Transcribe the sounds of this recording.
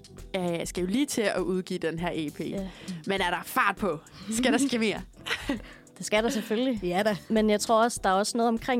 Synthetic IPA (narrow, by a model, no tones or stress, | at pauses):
æsɡ̥æjo̝liːt͡sʰe̝ɒʔuð̞ˠɡ̥ḭːd̥enɦæɐ̰e̝ːpʰe̝̰ːmenæɐɾ̥ɑ̈fɑ̰̈ːd̥̚pʰɒ̽sɡ̥æɾ̥ɑsɡ̥eme̝ːɐ | d̥e̝sɡ̥æɾ̥ɑsefølidmenjɑ̈ɪt͡sʰʁo̝ɐ̰ɒ̽sd̥ɑ̈æɐɒ̽snɔ̽ːð̩ˠɒ̽mkʰʁeŋ